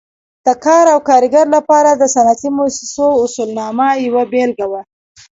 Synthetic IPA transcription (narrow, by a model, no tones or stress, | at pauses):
d̪̥əkɑɾawkɑɾɪɡaɾlapɑɾad̪əsanat̪imʊsɪsoʊsulnɑmajawabelɡawa